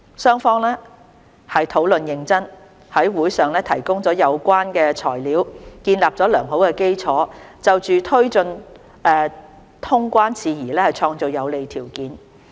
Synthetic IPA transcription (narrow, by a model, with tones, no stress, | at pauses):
sœː˥ŋfɔː˥ŋlɛː˥ | hɐ˨jt̪ʰo˨˥wlɵ˨njɪ˨˧ŋt͡sɐ˥n | hɐ˨˥jwuː˨˥jsœː˨ŋlɛː˥t̪ʰɐ˨˩jkʊ˥ŋt͡sɔː˨˥jɐ˨˧wkʷaː˥nkɛː˧t͡sʰɔ̰ː˨˩jliː˨˥wkiː˧nlaː˨p̚t͡sɔː˨˥lœː˨˩ŋɦo˨˥wkɛː˧ke˥jt͡sʰɔː˨˥t͡sɐ˨wt͡ʃyː˨t̪ʰɵ˥ɥt͡sɵ˧n | ɛː˨˧ | t̪ʰʊ˥ŋkʷaː˥nt͡sʰiː˧jiː˨˩lɛː˥hɐ˨jt͡ʃʰɔː˧ŋt͡so˨wjɐ˨˧wle˨jt̪ʰiː˨˩wkiː˨˥n